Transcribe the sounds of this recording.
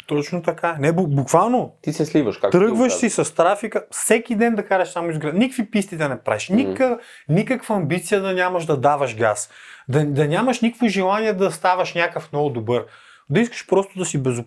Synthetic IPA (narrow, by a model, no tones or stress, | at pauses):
t̪ɔt͡ʃnot̪ɐkanɛbubukvalˠnot̪isɛslivəʃkakt̪ɾɤɡɡvəʃsisɐst̪ɾafikəfsɛkʲid̪ɛnd̪ɐkaɾɛʃsamʊizɡɾad̪nikkvipist̪id̪ɐnɛpɾa̰viʃnʲik | nʲikəkvɐɐmbit̪sijəd̪ɐnʲamɐʒd̪ɐd̪avɐʃɡa̰sd̪ɐd̪ɐnʲamɐʃnʲikkvoʒɛlˠanʲiɛd̪ɐst̪avɐʃnʲjakəfnnɔɡʊd̪obɤɾ | d̪ɐiskə̥ʃpɾɔst̪ʊd̪ɐsibɛzʊ